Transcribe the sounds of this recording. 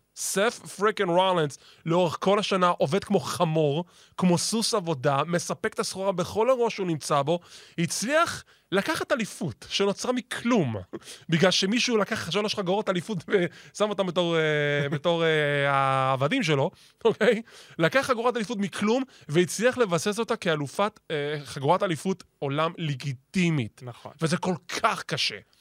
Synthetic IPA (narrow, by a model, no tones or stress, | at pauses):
seffʁikenʁojlanz | leo̞ʁeχko̞laʃanaʔo̞ve̞d̪̚kmo̞χamo̞ʁ | kmo̞susavo̞dame̞sape̞kt̪asχoʁabe̞χo̞laʁo̞ʃunimt͡sabo̞hit͡sliaχ | lakaχat̪alifutʃeno̞t͡sʁamikʰlumbiɡlalʃe̞miʃulakaχaʃonaʃaɡoʁatalifutvesamo̞t̪ambetoʁbeto̞ʁeaːvadimʃ̬elo̞ | okʰe̞jlakaχːaɡuʁatalifutmikʰlumveit͡sliaχle̞vase̞s̬o̞take̞alufatχaɡuʁatalifut | o̞lamleɡit̪imitnvezeko̞lkʰaχkaʃe̞̰